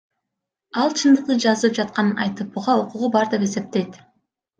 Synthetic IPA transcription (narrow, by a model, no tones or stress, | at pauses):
ɑlˠt͡ʃʰɯnd̪ɯq̚d̪ɯd͡ʒɑzlˠɯp̚d͡ʒɑt̪̚qɑnɯnɑ̰jt̪ɯp̚buʁɑoquʁubɑɾd̪e̞pe̞se̞p̚t̪e̞jt̪